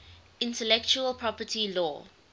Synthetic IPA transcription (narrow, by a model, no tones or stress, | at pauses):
ɪ̃ntəlɛkt͡ʃuəlpʰɹɔpətʰilɔː